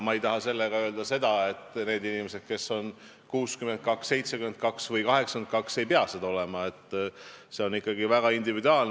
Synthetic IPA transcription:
mɑejt̪ɑɦɑse̞lːeɡɑø̞ːld̪̥ɑse̞d̪ɑe̞t̪ːˑne̞ːd̪inimese̞d̪̥̚ke̞so̞n | kuːskyme̞nt̪̚kɑksːe̞jt̪se̞kyme̞nt̪̚kɑksvɤjkɑɦe̞ksɑnt̪̚kɑkse̞jpeɑsed̪̥ɑole̞mɑe̞t̪ːse̞o̞nikːɑɡivæɡ̥ɑind̪ivid̪uɑːln

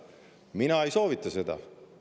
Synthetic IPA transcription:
minɑejso̞ːvit̪ˑːɑse̞d̪̥ɑ̰

